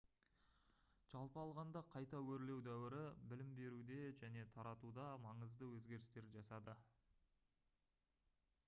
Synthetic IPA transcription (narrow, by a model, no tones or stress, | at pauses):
ʒ̥ɑlˠpəɑlˠʁɑnd̪ɑqʰɑjt̪ɑwɵɾle̞wd̪æwɪɾɪbɪlɪmbe̞ɾud̪e̞ʒæne̞t̪ʰɑɾɑt̪ud̪ɑmɑɴəzd̪əwɵzɡʲe̞ɾɪst̪e̞ɾʒɑsɑd̪ə